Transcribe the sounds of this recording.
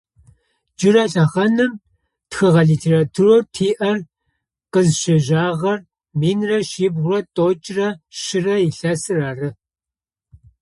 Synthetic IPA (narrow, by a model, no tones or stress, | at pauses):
d͡ʒɪrɐɬɐʁɐnɨm | txɨʁɐɮiːtʰeːraːtʰurortʰiːʔɐr | qəzʃɐʒaːʁɐr | miːnrɐʃiːbʁʊrɐtʼoːt͡ʃʼrɐʃɪrɐjɪɬɐsɨraːrɨ